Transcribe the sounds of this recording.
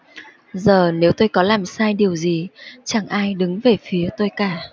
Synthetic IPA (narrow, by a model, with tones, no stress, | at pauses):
zəː˨˩ne˨˦wt̪o˧jkɔ˨˦laː˨˩msaː˧jɗi˨˩əwzi˨˩t͡ɕa˧˩ŋʔaː˧jɗɨ˨˦ŋve˨˩fi˨˦ət̪o˧jkaː˧˩